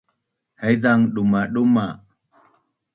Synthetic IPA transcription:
hɛjðaŋɗumaɗuma

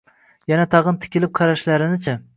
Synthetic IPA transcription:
janæt̪ʰɑʁɨnt̪ʰɪ̥kʲɪlɪp̚qʰɑɾaʃlaɾɪnɪt͡ʃʰa

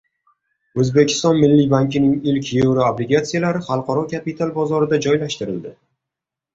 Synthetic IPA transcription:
ɵzbe̞kʲʰɪ̥st̪ɒnmɪlːijbaŋkʲɪnɪŋɪlkʲjewɾaablɪɡat̪sijalaɾɪχɑlˠqʰɒɾɒkʰʲapɪt̪ʰalˠbɒzɒɾɪd̪ad͡ʒɒjlaʃt̪ɪɾɪld̪ɪ

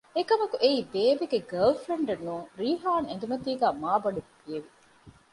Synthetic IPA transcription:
ekɐmɐkuʔeiːbeːʋeɡeɡɐlfɾeɳɖenːuːŋɾiːɦaːnend̪umɐt̪iːɡæːmaːbɐɖub̥ieʋi

